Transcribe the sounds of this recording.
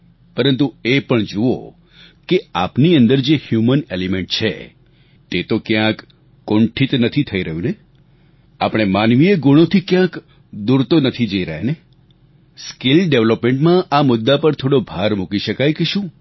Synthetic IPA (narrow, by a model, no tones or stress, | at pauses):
pəɾənt̪uepəɳd͡ʒuo̰ | keapniənd̪əɾd͡ʒehjumənelimeɳʈ̚t͡ʃʰḛ | t̪et̪okjãkː | õɳʈʰit̪nət̪ʰit̪ʰəiɾəɦjũne | apɽ̃emanʋieɡuɽ̃ot̪ʰikjãk | d̪uɾt̪onət̪ʰid͡ʒəiɾəɦene | skɪlɖeʋləpmẽɳʈmãʔamʊd̪ːapəɾt̪ʰoɽobʱaɾmukiʃəkajkeʃũː